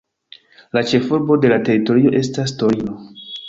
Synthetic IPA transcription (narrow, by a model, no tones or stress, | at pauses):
lat͡ʃe̞fuɾbo̞de̞late̞ɾito̞ɾio̞ʔe̞stas̬to̞ɾino